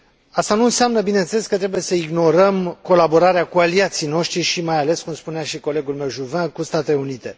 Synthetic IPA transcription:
ast̪anuɨnseamnəbine̞ɨnsele̞skət̪ɾe̞buje̞səiɡno̞ɾəmko̞labo̞ɾaɾeakualiat̪sijno̞ʃt̪ɾiʃimajale̞skumspuneaʃiko̞le̞ɡulme̞wʒuvãkust̪at̪eleunit̪e̞

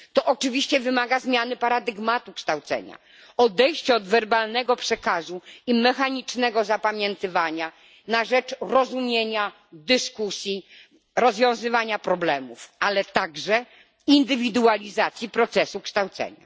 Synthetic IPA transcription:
t̪ɔʔɔt͡ʂɘvʲiɕt͡ɕɛvɘmaɡazmʲjanɘpaɾad̪ɘɡmat̪ukʂt̪awt̪sɛ̰ɲa̰ | ɔd̪ɛjɕt͡ɕɛɔd̪vɛɾbalnɛɡɔpʂɛkazuimɛxaɲit͡ʂnɛɡɔzapamʲjɛnt̪ɘvaɲa | naʐɛt͡ʂɾɔzumʲjeɲa | d̪ɘskusʲji | ɾɔzvʲjɔ̃w̃zɘvaɲapɾɔblɛmufalɛt̪aɡʐɛ | ind̪ɘvʲid̪ualʲizat̪sʲjipɾɔt̪sɛsukʂt̪awt̪sɛ̰ɲa̰

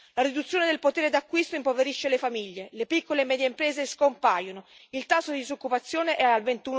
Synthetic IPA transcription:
laɾid̪ut̪sːjoːned̪elpot̪eːɾed̪akːwist̪oimpoveɾiʃːelefamiʎːelepikːolemɛːd̪jeimpɾeːzeskompaːjonoilt̪asːod̪id̪izokːupat̪sːjoːneʔɛalvent̪uːn

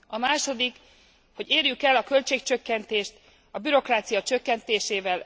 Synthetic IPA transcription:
ɒmaːʃo̞d̪ik | ho̞ɟeːrjykɛlːɒkø̞lt͡ʃeːkt͡ʃø̞kːɛnt̪eːʃt̪ | ɒbyɾo̞kraːt̪sijɒt͡ʃøkːɛnt̪eːʃeːvɛl

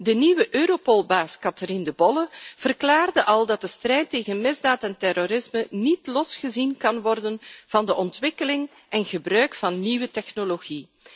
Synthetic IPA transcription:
dəniwəʔøːɾopolˠbaːskɑtərindəbɔləv̥ərklaːrdəʔɑlˠdɑt̚dəstrɛjtːeːɣənmɪzdaːtɛntɛroɾɪzmənitlɔsχəzinkɑnʋɔrdənv̥ɑndəʔɔntʋɪkəlɪŋ | ʔɛnɣəbrœɥkfɑnːiwətɛxnoloɣi

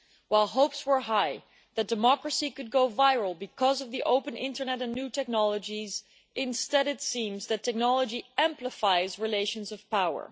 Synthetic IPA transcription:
waɪlˠɦoʊpswə˞ɦaɪ | ðɨt̚d̥ɨmɑkɹɨsikɨd̚ɡoʊvaɪɹl̩ˠbɨkʰʌzʌvðiʔoʊpɨ̃nɪ̃ntə˞nɛɾɨ̃nːʉtʰɛk̚nɑlˠəd͡ʒiz | ʔɪ̃nstɛɾɨtsĩmzðɨtʰɛk̚nɑlˠəd͡ʒiɛ̃mpləfaɪzɹileɪʃɨ̃nzʌv̥pʰaʊə̰˞

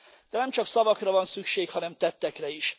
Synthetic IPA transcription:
d̪̥ɛnɛmt͡ʃɒksɒvɒkrɒvɒnsykʃeːkhɒnɛmt̪ɛt̪ːɛkrɛiʃ

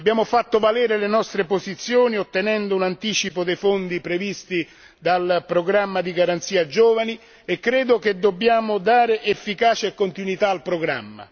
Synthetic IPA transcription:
abːjaːmʊfat̪ːʊvalɛːɾelenɔst̪ɾepozit̪sːjoːniot̪ːenɛnd̪ounant̪iːt͡ʃipod̪ejfond̪ipɾevist̪i | d̪alpɾoɡɾamːad̪iɡaɾant̪siːad͡ʒɔːvani | ekːɾeːd̪ʊked̪ːobːjaːmʊd̪aːɾeʔefːikaːt͡ʃeekːont̪inwit̪aːlpɾoɡɾa̰mːa̰

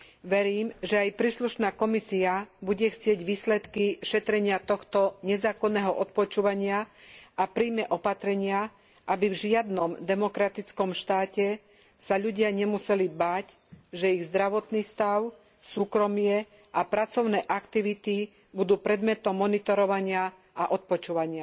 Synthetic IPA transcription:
ʋɛɾiːmʒɛajpɾiːsluʃnaːkɔmisiabuɟɛxt͡sɪɛɟʋiːslɛt̪kiʃɛt̪ɾɛɲɪat̪ɔxt̪ɔɲɛzaːkɔnːɛːɦɔʔɔt̪̚pɔt͡ʃuːʋaɲɪaʔapɾiːmɛʔɔpat̪ɾɛɲɪa | ʔabivʒɪad̪nɔmd̪ɛmɔkɾat̪it͡skɔmʃt̪aːcɛ | saʎuɟɪaɲɛmusɛlibaːc | ʒɛiɣzd̪ɾaʋɔt̪niːst̪aʊ | suːkɾɔmɪɛ | ʔapɾat͡sɔʊnɛːʔakt̪iʋit̪i | bud̪uːpɾɛd̪mɛt̪ɔmːɔnit̪ɔɾɔʋaɲɪa | ʔaʔɔt̪̚pɔt͡ʃuːʋaɲɪa

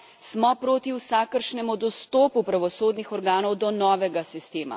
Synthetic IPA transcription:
smɔpɾoːt̪iwsaːkəɾʃnɛmud̪ɔst̪oːpupɾaʋɔsoːd̪nixɔɾɡaːnɔwd̪ɔnɔːʋɛɡasist̪eːma̰

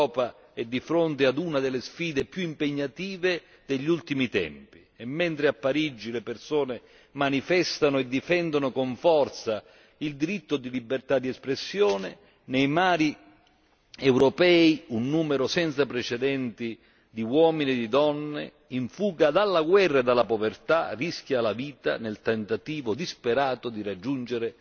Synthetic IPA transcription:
ɔːpa | ɛd̪ːifɾont̪ead̪unad̪ɪlːesfiːd̪epjuimpeɲːat̪iːve | d̪eʎːiult̪imit̪ɛ̰mpi | ɛmːɛnt̪ɾɪapːaɾid͡ʒːilepersoːne | manifɛst̪anʊɛd̪ːifɛnd̪onʊkoɱfɔrt̪sa | ild̪iɾit̪ːʊd̪ilibert̪ad̪ːiɛspɾesːjɔːne | nɛjmaːɾi | ɛwɾopɛːiunːuːmɛɾosɛnt̪sapɾɛt͡ʃɛd̪ɛnt̪i | d̪iwɔːminiɛd̪id̪ɔnːḛ | iɱfuːɡad̪alːaɡwɛrːad̪alːapovert̪arisk̟jalaviːt̪a̰nelt̪ɛnt̪at̪iːvʊd̪ispeɾaːt̪ʊd̪irad͡ʒːund͡ʒeɾɪ

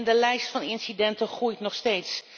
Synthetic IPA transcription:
ndəlɛjstfɑnɪnsidɛntəχrujtnɔχsteːts

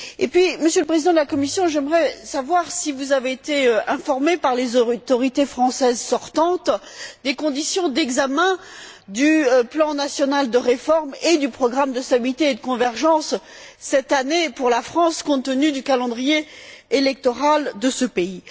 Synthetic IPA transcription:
epɥiməsjøləpχezid̪ɑ̃d̪əlakɔmisjɔ̃ʒɛmʁɛsavwaʁsivuzaveːt̪eøɛ̃fɔʁmepaʁlezot̪ɔʁit̪efχɑ̃sɛzsɔʁt̪ɑ̃t̪ | d̪ekɔ̃d̪isjɔ̃d̪ɛɡzamɛ̃d̪yplɑ̃nasjɔnald̪əʁefɔʁmed̪ypχɔɡʁamd̪əst̪abilit̪eːd̪əkɔ̃vɛʁʒɑ̃sː | ɛt̪anepuʁlafχɑ̃skɔ̃t̪ənyd̪ykalɑ̃d̪ʁijeelɛk̚t̪ɔʁald̪əsəpei

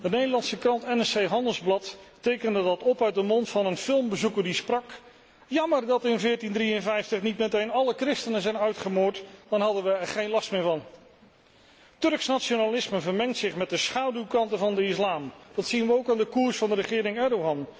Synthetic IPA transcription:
dənejdəlˠɑnsəkrɑntɛnɛsejɦɑndəlˠzblɑttejkəndədɑtɔpœɥt̚dəmɔntfɑnənfɪlˠmbəzukəɹdisprɑk | jɑməɹdɑtɪnvɪːɹtindrijənvɛjftəχnitmɛtejnɑləkrɪstənəzɛjnœɥtχəmʊːɹtd̥ɑnɦɑdənʋəɛɹχejnlɑstmɪːɹvɑn | tɵɹksnat͡ʃonalɪsməvəɹmɛŋtsɪχmɛt̚dəsχawdywkɑntəvɑndəɪslaːmd̥ɑtsinʋəowkaːndəkuːɹsfɑndərəχɪːɾɪŋɛɹdowɦɑn

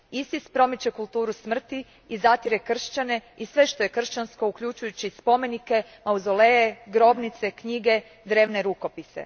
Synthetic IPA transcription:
isispɾo̞mit͡ɕe̞kulˠt̪uːɾusmr̩t̪i | izat̪iɾekr̩ʃt͡ɕane̞isʋe̞ʃt̪o̞je̞kr̩ʃt͡ɕansko̞ukʎut͡ʃujut͡ɕispo̞me̞nike̞ | mauzoleeɡɾo̞bnit̪se̞kɲiɡe̞ | d̪ɾe̞ːʋne̞ɾuko̞pisḛ

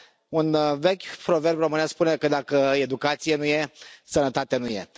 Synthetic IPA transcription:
unve̞kʲpɾo̞ve̞rbro̞mɨnaspunekəd̪akəed̪ukat̪sijenuje̞sənət̪at̪eenuje̞̰

